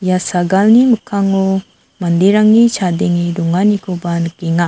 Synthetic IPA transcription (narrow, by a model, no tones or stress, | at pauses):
jasaɡalniməkʰaŋɔ | mand̪iɾaŋːit͡ʃʰadeŋiduŋanikʰubanɯkiŋa